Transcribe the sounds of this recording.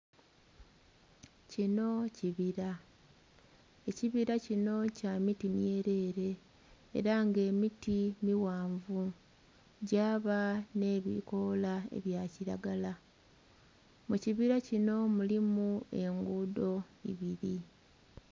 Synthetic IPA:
cino̞ciβiɾa | e̞ciβiɾacino̞camitinje̞ːɾe̞ːɾe̞̰ː | ɾaŋɡe̞ːmitimiwaːɱvu | ɟaːβane̞ːβḭko̞laḛβjaciɾaɡala | muciβiɾacino̞mulimue̞ŋɡuːdo̞ḭβiɾi

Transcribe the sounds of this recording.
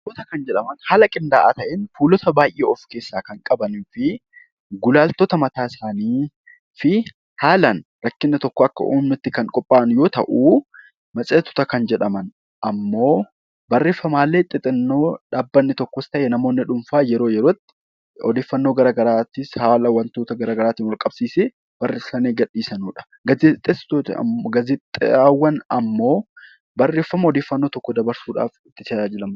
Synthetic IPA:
ɔt̪ɐkɐnd͡ʒɛᶑɐmɐnhaːlɐkʼɪnd̪aːʔa̰ːt̪ɐʔɛnfuːlɔt̪ɐbaːjʔeɔfke̞ːsːaːkɐŋkʼɐbɐniːfɪ | ɡʊlaːlt̪ot̪ɐmɐt̪aːɪsaːniː | fɪ | haːlɐnɾɐkːɪnːɪt̪ɔkːɔɐkːɐ̰ʔṵːmːɪt̪ːɪkɐŋkʼɔpʼːaːnjo̞ːt̪ɐ̰ʔu | mɐt͡sʼeːt̪ʊ̥t̪ɐkɐnd͡ʒɛᶑɐmɐn | ʔɐmːo̞ː | bɐrːe̞ːfːɐmaːlːet̪ʼːɪt̪ʼɪnːo̞ːᶑaːbːɐnːɪt̪ɔkːɔst̪ɐʔeːnɐmo̞ːnːɪᶑʊmfaːjɛɾo̞ːjɛɾoːt̪ːɪ̥ | ɔd̪eːfːɐnːoːɡɐɾaːɡɐɾaːt̪ɪshaːlɐwːɐnt̪oːt̪ɐɡɐɾaːɡɐɾaːt̪iːnwɐlkʼɐb̥̚siːse | b̥ɐrːeːsɐnːeːɡɐᶑiːsɐnuːᶑɐ̥ | ɡɐzɪt̪ʼːest̪oːt̪ɡɐzɪt̪ʼːawːɐnɐ̰mːo̞ː | bɐrːeːfːɐmɐɔd̪eːfːɐnːo̞ːt̪ɔkːɔd̪ɐbɐɾsuːᶑa̰ːfɪt̪ːɪt̪ɐaːd͡ʒɪlɐm

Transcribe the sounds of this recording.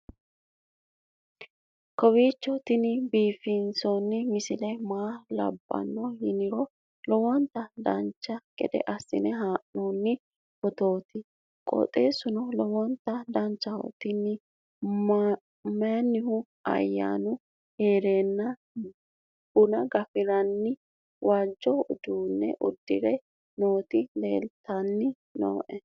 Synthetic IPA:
kɔwiːt͡ʃːɔt̪ɪnɪbiːfɪnsɔnːɪmɪsɪlɛmaːlɐ̰bːɐ̰nːɔhɪnɪɾɔ | lɔwɔnt̪ːɐd̪ɐnt͡ʃːɐɡɛ̰d̪ɛ̰ʔɐsːɪ̰nɛɦaːʔnonːɪ | bɔt̪o̞ːt̪ɪ | kʼɔ̰t̪ʼe̞ːsʊnɔlɔwɔnt̪ːɐd̪ɐnt͡ʃːɐhɔ̰t̪ːɪnːɪ | maːnːɪhʊ | ɐ̰jːa̰ːnʊ | he̞ːɾe̞ːnːɐ | ʊnɐɡɐfɪɾɐnːɪ | wʔaːd͡ʒːɔʊd̪uːnːɛ̰ʔʊd̪ːɪɾɛ | no̞ːt̪ɪle̞̰ːlt̪ɐnːɪ | no̰ːʔɛ

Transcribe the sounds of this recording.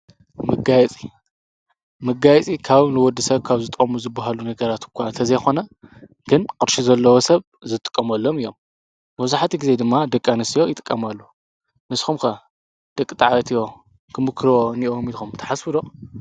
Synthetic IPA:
mɨɡajɛt͡sʼi | mɨɡajt͡sʼikʰaβnɨwɔd̪isɐβkʰaβzɨt̪ʼɐmuzɨbːaɦalunɐɡɐɾat̪kʷʰːant̪ʰɐzɐjxo̞nɐ | ɡ̥ɨnkʼɨɾʃizɐlːɐwosɐβ | zɨt̪ʼɨ̥kʼːɐmɐlːomɨjːom | mɐβzaħat̪ʰiɡize̞d̪ɨmːad̪ɐkʼːanɨsijo̞jɪt̪ʼɨ̥kʼːɐmalːu | nɨsxumkʰɐ | d̪̥ɐkʼːit̪ʼaʕaβɐt̪ʰijo̞ | kʰɨmɨkʰɾoniʔomilxumt̪ʰɐ̥ħasfɨd̪o

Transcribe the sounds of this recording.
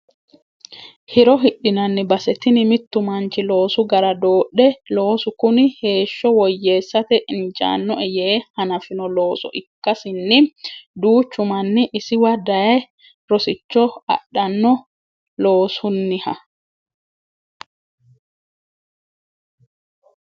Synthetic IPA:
hɪɾɔɦɪɗːɪnɐnːɪbɐsɛt̪ɪnɪmɪt̪ːʊmɐnt͡ʃɪlo̞ːsʊɡɐɾɐd̪oːɗɛloːsʊkʊnɪhe̞ːʃːɔwɔjːe̞ːsːɐt̪ɛʔɪnd͡ʒa̰ːnːɔʔɛjɛhɐnɐfɪnɔlo̞ːsɔ̰ʔɪkːɐsɪnːɪd̪uːt͡ʃːʊmɐnːɪʔɪsɪwɐd̪ɐjɐ | ɾɔsɪt͡ʃːɔɐ̰ɗːɐnːɔ | lo̞ːsʊnːɪhɐ

